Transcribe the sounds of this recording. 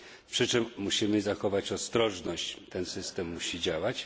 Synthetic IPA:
pʂɘt͡ʂɘmːuɕimɘzaxɔvat͡ɕɔst̪ɾɔʐnɔɕt͡ɕt̪ɛnsɘst̪ɛmːuɕid͡ʑawat͡ɕ

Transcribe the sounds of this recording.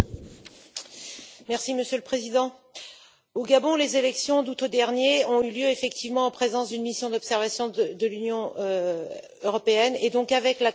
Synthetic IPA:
mɛʁsiməsjøləpχezid̪ɑ̃ | oɡabɔ̃lezelɛksjɔ̃d̪ut̪od̪ɛʁnjeɔ̃yljøefɛk̚t̪ʰivmɑ̃ɑ̃pχezɑ̃sd̪ynmisjɔ̃d̪ɔpsɛʁvasjɔ̃d̪əlynjɔ̃ | øʁɔpeɛned̪ɔ̃kavɛkla

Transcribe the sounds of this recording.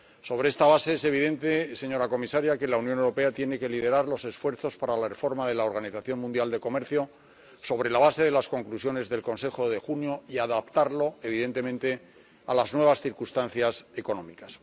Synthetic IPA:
so̞β̞ɾe̞est̪aβ̞ase̞ese̞β̞iðe̞nt̪e̞se̞ɲo̞ɾako̞misaɾjake̞launjonewɾope̞at̪jene̞ke̞liðe̞ɾaɾlo̞se̞sfwe̞ɾθo̞spaɾalare̞fo̞ɾmaðe̞laoɾɣaniθaθjo̞nmũnd̪jald̪e̞ko̞me̞ɾθjo̞ | so̞βɾe̞laβ̞ase̞ðe̞lasko̞ŋklusjo̞ne̞zðe̞lko̞nse̞xo̞ðe̞xunjo̞iaðapt̪aɾlo̞e̞β̞iðe̞nt̪e̞mẽnt̪e̞ | alaznwe̞β̞asθiɾkust̪an̟θjaseko̞nõ̞mikḁs

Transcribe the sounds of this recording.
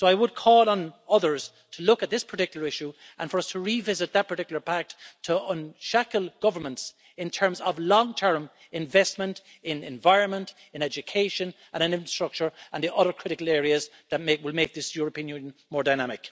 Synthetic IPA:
soʊaɪwəd̚kʰɔːlˠə̃nʌðə˞z̥ | tʰəlʊkət̪̚ðɪspʰə˞tɪkjl̩ˠə˞ɪʃu | ʔə̃nfə˞ʌstʰəɹivɪzɪt̪̚ðət̚pʰə˞tɪkjl̩ˠə˞pak̚ttʰəə̃nʃakəlˠɡ̥ʌvə˞mə̃nts | ɪ̃ntʰɜ̃˞mzəvlɔ̃ŋtʰɜ̃˞m | ɪ̃ɱvɛstmə̃nt | ɪ̃nɪ̃ɱvaɪɹə̃nmə̃nt | ɪ̃nɛd͡ʒɨkʰeɪʃə̃n | ʔə̃ñə̃nɪ̃ɱfɹə̥stɹ̥ʌk̚t͡ʃə˞ʔə̃nðiʔʌðə˞kʰɹ̥ɪɾɪkəlˠɛːɹiəz | ðət̚mewɪlˠmeɪk̚ðɪsjʊɹəpĩə̃njʉ̃njə̃nmɔːɹdaɪñamɪk

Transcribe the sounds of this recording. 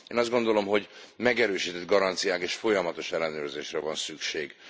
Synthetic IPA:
eːnɒzd̪ɡo̞nd̪o̞lo̞mɦo̞ɟmɛɡɛɾøːʃiːt̪ɛd̪ɡɒɾɒnt̪sijaːkeːʃfo̞jɒmɒt̪o̞ʃɛlːɛnøːrzeːʃrɛvɒnsykʃeːɡ

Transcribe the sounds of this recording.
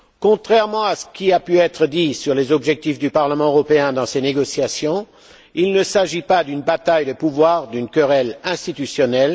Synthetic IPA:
kɔ̃t̪χɛʁmɑ̃asə̥kʲiapyɛt̪χəd̪isyʁlezɔbʒɛk̚t̪ifd̪ypaʁləmɑ̃øʁɔpeɛ̃d̪ɑ̃seneɡɔsjasjɔ̃ | ilnəsaʒipad̪ynbat̪ajd̪əpuvwaːʁd̪ynkəʁɛlɛ̃st̪it̪ysjɔnɛl

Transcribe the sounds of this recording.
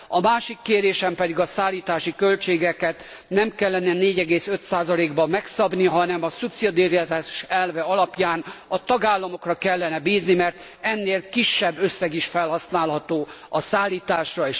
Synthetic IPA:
ɒmaːʃikːeːɾeːʃɛmpɛd̪iɡɒsaːlːiːt̪aːʃikø̞lt͡ʃeːɡɛkɛt̪ | nɛmkɛlːɛnɛneːɟɛɡeːsø̞t̪saːzɒleːɡbɒmɛksɒbniɦɒnɛmɒsupsid̪iɾaːʃɛlvɛɒlɒpjaːnɒt̪ɒɡaːlːɒmo̞krɒkɛlːɛnɛbiːznimɛrt̪ | ɛnːeːlkiʃːɛbːø̞sːɛɡiʃfɛlhɒsnaːlɦɒt̪oːɒsaːlːiːt̪aːʃrɒeːʃ

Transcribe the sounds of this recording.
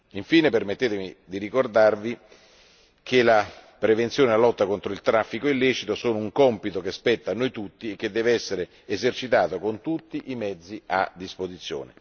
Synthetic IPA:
iɱfiːnepermet̪ːeːt̪emid̪iɾikord̪arvi | k̟elapɾevent̪sjoːnelalɔt̪ːakont̪ɾoilt̪ɾafːikoilːɛːt͡ʃit̪osoːnʊuŋkɔmpit̪ok̟espɛt̪ːanːojt̪ut̪ːiek̟ːed̪ːɛːveɛsːeɾe | ezert͡ʃit̪aːt̪okont̪ut̪ːiʔimɛd̪zːia̰d̪ːispozit̪sjo̰ːnḛ

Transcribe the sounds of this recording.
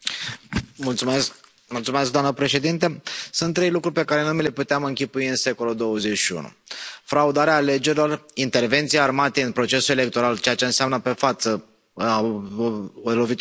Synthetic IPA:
mult̪sumesk | mult̪sume̞skd̪oamnəpɾe̞ʃe̞d̪int̪esunt̪ːɾe̞jlukɾurʲpe̞kaɾe̞numile̞put̪eamɨŋkʲipuiɨnse̞ko̞luld̪o̞wəze̞t͡ʃʃiṵnṵfɾaud̪aɾeaːle̞d͡ʒe̞ɾʲilo̞rint̪e̞rve̞nt̪sijaarmat̪eɨnpɾo̞t͡ʃe̞sule̞le̞k̚t̪o̞ɾalt͡ʃejat͡ʃe̞ɨnseamnəpe̞fat̪sə | a | lo̞vit̪

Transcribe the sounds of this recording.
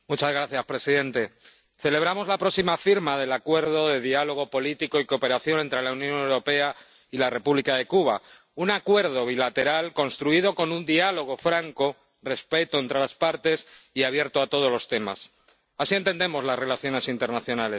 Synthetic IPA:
mut͡ʃazɣɾaθjaspɾe̞siðe̞nt̪e̞ | θe̞le̞β̞ɾamo̞zlapɾo̞ksimafiɾmaðe̞lakwe̞ɾðo̞ðe̞ðialo̞ɣ̞o̞po̞lit̪iko̞iko̞pe̞ɾaθjo̞ne̞nt̪ɾe̞launjõ̞newɾo̞pe̞a | ilare̞puβlikaðe̞kuβ̞a | unakwe̞ɾð̞oβ̞ilat̪e̞ɾalko̞nst̪ɾuið̞o̞ko̞nund̪ialo̞ɣ̞o̞fɾaŋko̞ | re̞spe̞t̪oent̪ɾe̞laspaɾt̪e̞siaβ̞je̞ɾt̪oat̪o̞ð̞o̞zlo̞st̪e̞ma̰s | asient̪e̞nd̪e̞mo̞zlazre̞laθjo̞ne̞sint̪e̞ɾnaθjo̞nale̞s

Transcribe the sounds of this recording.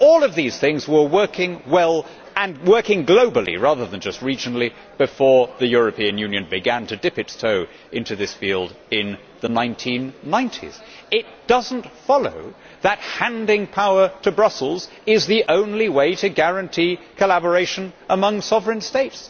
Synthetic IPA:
ɔlˠʌvðiz̥θɪ̃ŋzwə˞wɜ˞kʰɪ̃ŋwɛlˠ | ɨ̃nwɜ˞kɪ̃ŋɡloʊbl̩ˠḭɹæðə˞ðə̃nd͡ʒʌst̚ɹid͡ʒɨnl̩ˠi | b̥ɨfɔɹðɨjʊɹɨpʰiɨ̃njʉ̃njɨ̃nbɨɡæ̃ntʰɨdɪpɨtstʰoʊ | ʔɪ̃ntʉðɪsfilˠdɪ̃n | ðɨnãɪ̃ntʰĩnːãɪ̃ntʰḭz̥ | ɪt̚d̥ʌzn̩tfɑlˠo̰ʊ | ðət̚hæ̃ndɪ̃ŋpʰaʊə˞ɾɨbɹʌsl̩ˠz | ɪzðiʔõʊ̃nliweɪɾɨɡæɹɨ̃ntʰikʰəlæbə˞eɪʃɨ̃nʔəmʌ̃ŋsɑvɹɨ̃nsteɪts

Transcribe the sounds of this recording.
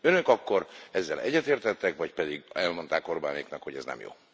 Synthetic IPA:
ønøkɒkːo̞ɾɛzːɛlɛ̰ɟːɛt̪eːrt̪ɛt̪ːɛkʋɒcpɛd̪iɡɛlmo̞nt̪aːko̞rbaːneːknɒkho̞ɟɛ̰znɛ̰mjo̰ː

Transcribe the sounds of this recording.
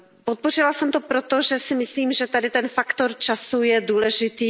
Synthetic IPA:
pot̪̚po̞r̝ɪlasɛmt̪opɾot̪o̞ʒɛsɪmɪsliːmʒɛt̪adɪt̪ɛnfakt̪o̞ɾt͡ʃasujɛduːlɛʒɪt̪iː

